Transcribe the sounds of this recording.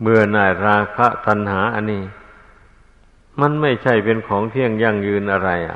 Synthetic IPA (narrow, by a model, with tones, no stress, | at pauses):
mɯ˨˩ənaː˨˧˩jɾaː˧kʰa˦˥ʔt̪a˧nɦaː˩˦ʔa˧nːiː˧˩ | ma˧˥nma˥˩jt͡ɕʰa˥˩jpe˧nkʰɔː˩˦ŋt̪ʰi˥˩əŋja˧˩ŋjɯː˧nʔa˧ɾa˧jʔa̰˨˩